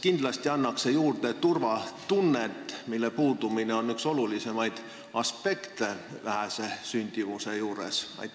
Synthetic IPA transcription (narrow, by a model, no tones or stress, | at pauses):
kind̪̥lɑst̪iɑnːɑkse̞juːrt̪e̞t̪urvɑt̪unːet̪ːˑmilːe̞puːd̪̥umine̞o̞nːykso̞lulise̞mɑjd̪̥ | ɑspe̞kt̪e̞væɦæse̞synʲd̪̥ivuse̞juːɾḛsɑ̰j̪